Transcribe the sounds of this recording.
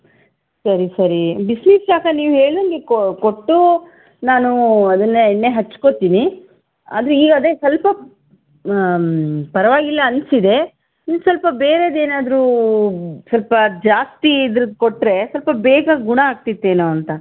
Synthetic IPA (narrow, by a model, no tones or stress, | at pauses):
sɐɾisɐɾibisnisʃaːkɐniːʋuɦe̞ːɭd̪ɐnɡekkoʈːu | naːnuɐd̪ɐnːenːeːɦɐt͡ʃːko̞t̪iːni | a̰ːd̪ɾuiːɡɐd̪eːsɐlpɐ | pɐɾɐʋaːɡilːɐɐnsid̪e̞ | insɐlpɐbeːɾed̪e̞ːnaːd̪ɐɾu | sɐlpɐd͡ʒaːst̪iːd̪ɾɐd̪koʈːɾe̞sɐlpɐbɛːɡɐɡuɳɐaːɡ̚t̪it̪ːeːnoːɐnt̪ɐ